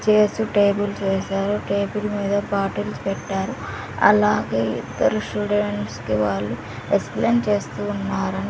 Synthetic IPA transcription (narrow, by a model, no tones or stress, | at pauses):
t͡ʃeːsuʈeːbult͡ʃeːsaːɾuʈeːbulmiːd̪ɐpaːʈilspɛʈːaːɾu | ɐ̰laːɡe̞ːḭd̪ːɐɾusʈuːɖeeɳʈskiʋaːɭːu | ekspleːnt͡ʃe̞ːst̪uːnːaːɾɐni